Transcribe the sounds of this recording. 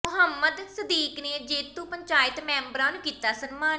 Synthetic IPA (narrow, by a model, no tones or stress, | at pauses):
mʊɦəmːəd̪səd̪iːkneːd͡ʒeːt̪uːpəɲt͡ʃaːɪt̪mɛ̃ːmbəɾãːnũːkiːt̪aːsənmaːn